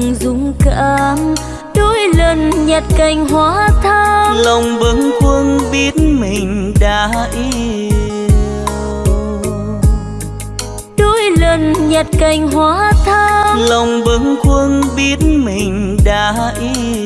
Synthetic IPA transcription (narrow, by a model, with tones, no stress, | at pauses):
ŋzʊ˨˦ŋ͡mka˧˨˧m | ɗo˧˦jlə˨˩nɲə˨˩t̚ka˨˩jŋ̟ɦwaː˧˦t̪ʰːlə˨˩wŋ͡mɓə˨˦ŋkwə˧nɓi˦˥ət̚mï˨˩ŋ̟ɗaː˧˨˦ʔi˧˦ | ɗo˧˦jlə˨˩nɲə˨˩t̚ka˨˩jŋ̟ɦwaː˧˦t̪ʰaː˧lə˨˩wŋ͡mɓə˨˦ŋkwə˧nɓi˦˥ət̚mï˨˩ŋ̟ɗaː˧˦ | ʔi˧˦